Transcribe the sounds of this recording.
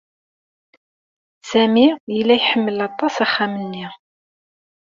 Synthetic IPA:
sæmijəlːæjħəmːəlɑt̪ˤːɑsæχːamənːi

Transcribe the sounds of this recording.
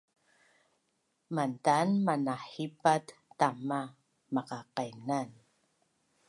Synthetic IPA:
mantanmanaħipatːama | maqaqajnan

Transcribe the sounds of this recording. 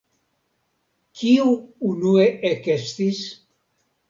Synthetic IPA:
kʰiuunueʔekest̪is

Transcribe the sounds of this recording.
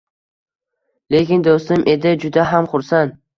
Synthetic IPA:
le̞kʲɪnd̪ost̪ʊmʔe̞d̪ɪd͡ʒʊd̪aɦamχʊɾsant̪

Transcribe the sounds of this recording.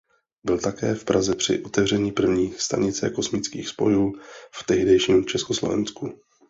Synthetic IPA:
bɪlt̪akɛːfpɾʔazɛpr̝̥ɪ̰ʔo̞t̪ɛvr̝ɛɲiːpr̩vɲiːst̪a̰ɲɪt͡sɛ̰ko̞smɪt͡skiːxspo̞juːft̪ɛɦdɛjʃiːmt͡ʃɛskoslo̰vɛ̰nsku

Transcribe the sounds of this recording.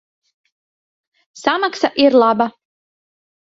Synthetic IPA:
samaksaʔiɾlˠaba

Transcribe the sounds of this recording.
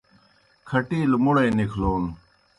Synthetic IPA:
kʰɐʈiːlmʊɽɐjnikʰloːn

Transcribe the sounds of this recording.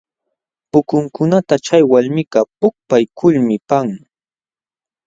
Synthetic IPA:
pʊkʊŋkʊnat̪at͡ʃajwalmɪkɑpʊk̚pajkʰʊlmɪpaŋ

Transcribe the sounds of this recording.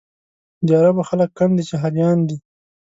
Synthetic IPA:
d̪ɑɾabaxaləkːand̪it͡ʃeɦadjɑnd̪i

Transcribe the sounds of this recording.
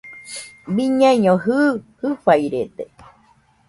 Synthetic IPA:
biɲaiɲõɦɨːhɨɸaiɾed̪e

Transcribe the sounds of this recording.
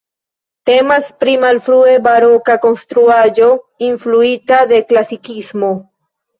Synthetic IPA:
te̞maspɾimalfɾue̞baɾo̞kako̞nst̪ɾuaʒo̞influitad̪e̞klasikismo̞

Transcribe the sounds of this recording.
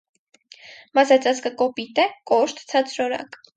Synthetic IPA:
mɑsɛt͡sɑt͡skəkɔpit̪ɛkɔʃt̪ʰt͡sʰɑt͡sʰɾɔɾɑ̰k

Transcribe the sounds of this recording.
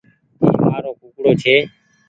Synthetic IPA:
ḭːmaːɾoːkukɽoːt͡ʃʰeː

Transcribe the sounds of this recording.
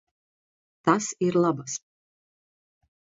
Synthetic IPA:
t̪asiɾlˠabas

